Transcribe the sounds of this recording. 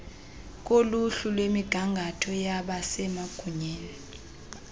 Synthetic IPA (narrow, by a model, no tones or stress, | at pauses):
k̬ʼoluɬulwemiɡ̥ʱaŋɡʱatʰɔjaɓasɛmaɡ̥ʱuɲɛːni